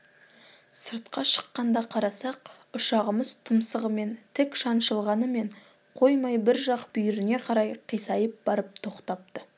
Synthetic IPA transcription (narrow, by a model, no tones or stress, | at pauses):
səɾt̪̚qɑʃə̥qːɑnd̪ɑqʰɑɾɑsɑq | ʊʃɑʁəməzt̪ʰʊmsəʁəme̞nt̪ʰɪkʃɑnʃəlˠʁɑnəme̞ɴ | qʰo̞jmɑjbɪɾʒɑqbʏjɪɾɪne̞qʰɑɾɑjqʰijsɑjəp̚bɑɾəp̚t̪ʰo̞qt̪ɑp̚t̪ə